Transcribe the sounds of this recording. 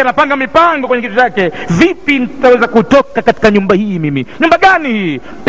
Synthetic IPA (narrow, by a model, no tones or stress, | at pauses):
anapaŋɡamipaŋɡɔkwɛɲɛkitut͡ʃakɛvipin̩tawɛzakutɔkakati̥kaɲumbahiːmimiɲumbaɠanihi